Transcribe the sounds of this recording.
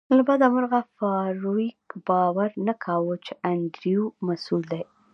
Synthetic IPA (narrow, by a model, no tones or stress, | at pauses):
labɑd̪amʊɾɣafɑɾoikbɑwaɾnakʰawət͡ʃeʔand̪ɾijumasuld̪aj